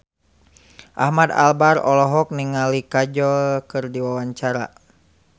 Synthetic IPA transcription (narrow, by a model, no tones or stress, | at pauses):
ʔahmad̪a̰lbarɔlɔɦɔk̚niŋalikad͡ʒɔlkɨrdiwawaɲt͡ʃaɾa̰